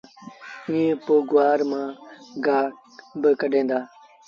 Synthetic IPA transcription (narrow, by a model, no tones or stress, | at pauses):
ĩːẽpoːɡʊʋaːɾmãːɡaː | bəkəɖʱẽːnd̪aː